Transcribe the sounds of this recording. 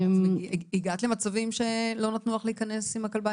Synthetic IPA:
iɡatlemat͡savimʃe̞lo̞nat̪nuaχleikɐne̞simakalba

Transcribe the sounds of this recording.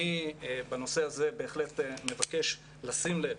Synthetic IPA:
ibano̞se̞aze̞be̞ːχle̞tme̞vake̞ʃ | lasimle

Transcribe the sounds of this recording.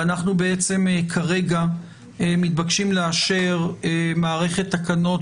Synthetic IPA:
anaχnubeet͡se̞mkʰaʁe̞ɡa | emit̪̚bakʃimleaʃeʁemaːʁe̞χe̞t̪ːakano̞t

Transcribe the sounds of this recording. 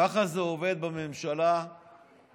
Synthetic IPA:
aχazeove̞d̪̚bamemʃala

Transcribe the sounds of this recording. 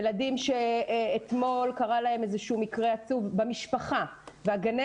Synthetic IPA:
ladimʃe̞ːt̪mo̞lkaʁalae̞mezeʃuːmikʁeat͡suvbemiʃpaχaveaɡane

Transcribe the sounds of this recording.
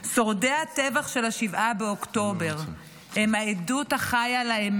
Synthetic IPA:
so̞ʁde̞atevaχʃe̞laʃivʔabeokto̞be̞ʁ | hemhaeduthaχajalaem

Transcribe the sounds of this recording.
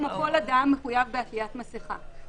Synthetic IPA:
mapolad̪amːeχujavbeatlijat̪masiχa̰

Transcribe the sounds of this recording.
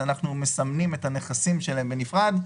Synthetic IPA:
anaχnume̞samnime̞thane̞χasimʃe̞laembenifʁad

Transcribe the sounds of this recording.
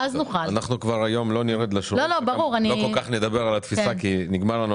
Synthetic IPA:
aznuχaanaχnukvaʁajo̞mlo̞niʁed̪laʃulolobaʁuʁanilokokaχned̪abeʁalat̪fisakiniɡmaʁlanu

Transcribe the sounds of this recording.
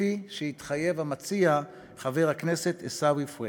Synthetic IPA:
iʃehit̪χaje̞vamat͡sia | χaveʁakneset̪esawifwe

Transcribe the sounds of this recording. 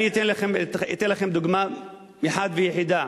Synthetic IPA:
nit̪enlaχemḭt̪enlaχemd̪uɡma | miħad̪vejeħid̪a

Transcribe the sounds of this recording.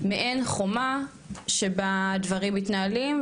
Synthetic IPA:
meʔenχoma | ʃebad̪vaʁimːit̪naːlim

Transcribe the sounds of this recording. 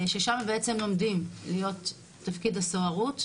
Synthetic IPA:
ʃeʃamabeʔet͡se̞mlo̞mdimlijo̞tː | afkidasoaʁut

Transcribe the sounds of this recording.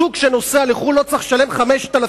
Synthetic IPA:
ukʃeno̞sealiχulːo̞t͡saχʃale̞mχameʃt̪ala

